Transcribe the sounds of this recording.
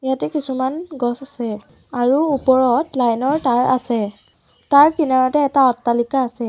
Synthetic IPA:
jatɛkisumanɡɔsasɛ | aɹuupɔɹɔtlajnɔɹtaɹa̰sɛ | taɹkinaɹɔtɛːtaɔtːalikaːsɛ

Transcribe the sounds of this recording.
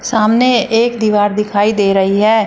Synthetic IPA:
saːmneeːkd̪iːʋaːɾd̪ɪkʰaːid̪eːɾəɦiɦɛː

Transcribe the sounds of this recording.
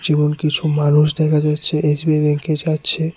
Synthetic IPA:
d͡ʑimonkit͡ɕʰumanuʃ̬d̪ɛkʰad͡ʑatːɕʰeʔesbiebɛŋked͡ʑatːɕʰe

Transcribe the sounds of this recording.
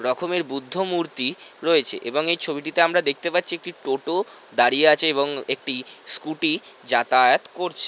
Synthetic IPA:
ɾɔkʰomeɾbud̪ʱːomuɾt̪iɾoet͡ɕʰḛʔeboŋejt͡ɕʰobiʈit̪eamɾad̪ek̚ʰt̪epatːɕʰiek̚ʈiʈoʈo | d̪aɾijeat͡ɕʰeeβoŋek̚ʈiskuʈid͡ʑat̪ajat̪koɾt͡ɕʰe̥

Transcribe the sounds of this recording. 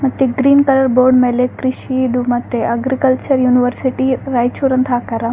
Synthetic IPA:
mɐt̪ːiɡɾiːnkɐlɐɾboːɾɖmelekɾiʃid̪umɐt̪ːeʔɐɡɾikɐlt͡ʃɐɾjuːniʋəɾsiʈiɾajt͡ʃuɾɐnt̪ʰaːkɐɾɐ

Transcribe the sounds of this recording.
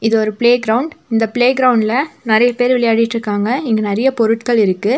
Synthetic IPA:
ɪðɯɔɾɯpɭeːɡɾɐʊɳɖɪnd̪ɐpɪɭeːɡɾɐʊɳɖɪlɐnɪɾɐjɐpeːɾʋɪɭɐjaːɽɪjɪʈːɾɯkːaːŋɡɐɪŋɡɐnɪɾɐjɐpɔɾɯʈkɐɭɪɾɯkːɯ

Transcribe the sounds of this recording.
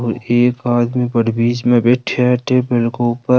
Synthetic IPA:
eːkaːd̪mibəɽbiːt͡ʃmẽbeʈʰaʈeːbəlkoʊpə

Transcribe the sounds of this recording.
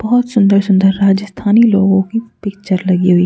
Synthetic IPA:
b̥ɐɦʊt̪sʊ̃nd̪əɾsʊ̃nd̪əɾːaːd͡ʒəst̪ʰaːniloːɡõkipɪk̚t͡ʃəɾlɐɡiɦʊi

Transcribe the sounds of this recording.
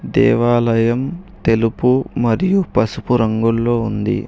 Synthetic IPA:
d̪ɛ̰ːʋaːlɐjɐmt̪e̞lupumɐɾijupɐsupuɾɐŋɡulːo̞ːund̪ḭ

